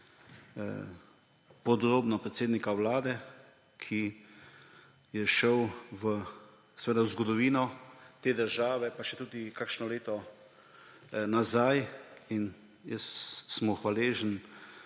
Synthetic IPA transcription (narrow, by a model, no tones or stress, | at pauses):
pɔd̪ɾoːbnɔpɾɛt̪seːd̪nikawlaːd̪ɛ | kʰi | jɛʃəwʋə | sɛʋeːd̪awzɡɔd̪ɔʋiːnɔt̪eːd̪əɾʒaːʋɛpaʃɛt̪uːd̪ikakʃnɔleːt̪ɔ | nazajin | jəsːmɔxʋaleːʒən